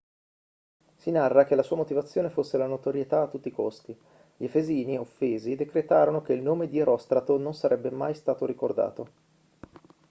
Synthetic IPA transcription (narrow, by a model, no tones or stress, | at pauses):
sinarːak̟elasuːamot̪ivat̪sːjoːnefosːelanot̪oɾjet̪aːt̪ːut̪ːikost̪i | ʎiefeziːniofːeːzid̪ekɾet̪aːɾonok̟eilnoːmed̪ieɾɔst̪ɾat̪ononsaɾʔɛbːemajst̪aːt̪oɾikord̪a̰ːt̪o